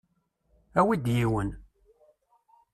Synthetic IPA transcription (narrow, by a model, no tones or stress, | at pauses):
æwid̪jiwən